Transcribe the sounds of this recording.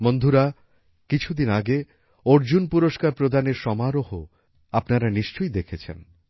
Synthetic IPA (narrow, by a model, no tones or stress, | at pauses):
mond̪ʱuɾa | kit͡ɕʰud̪inaɡe | oɾd͡ʑunpuɾoʃkaɾpɾod̪ʱaneɾʃɔmaɾoɦo | apnaɾaniʃt͡ɕojd̪ekʰet͡ɕʰḛn